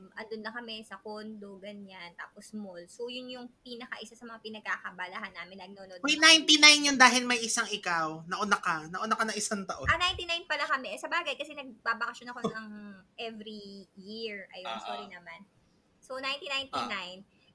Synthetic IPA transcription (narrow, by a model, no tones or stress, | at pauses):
ʔɐnd̪ʊnlɐkɐmɛsɐkonloɡɐnant̪a̰ːposmolsojʊnjʊŋpiːnɐkaʔɪsasɐmɐŋapɪnɐɡ̚kakɐbɐlɐɦanːaːmɪnːɐɡ̚nonod̪ɐjnajnt̪inajnjond̪aːhɪlmɐjʔɪsaŋɪkawnɐʔʊnakɐnɐʔʊnakɐnɐŋɪsaŋt̪ɐʔoɐnajnt̪inajnpɐlakɐmɛsɐbaːɡɐjkɐsɛnɐɡ̚babɐkɐʃonɐkonɐŋʔɛvɾijiɹʔɐjoŋsoːɾinɐman | sonajnt̪inajnt̪inajn